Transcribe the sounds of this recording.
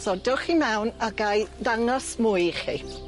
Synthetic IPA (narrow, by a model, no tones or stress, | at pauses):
sɔdʊχimɛwnaɡajðaŋɔsmʊjχḭ